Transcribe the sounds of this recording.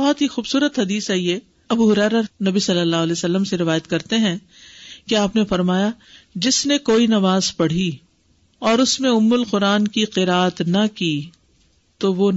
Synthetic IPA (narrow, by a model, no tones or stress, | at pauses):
bɐɦɔt̪ɦixuːbsuːɾət̪ɦɐd̪iːsaːie | ɐbuɦʊɾɛːɾanɐbisɐlːəlːaːɦʊɐleːsɐlːəmseɾɪʋaːjət̪kɐɾt̪eɦɛ̃ | keaːpnefɐɾmaːja | d͡ʒɪsnekoːinɐʋaːzpɐɽ̤i | ɔːɾʊsmẽʊmːʊlqʊɾaːnkiqɪɾaːət̪nɐkiː | t̪oʋo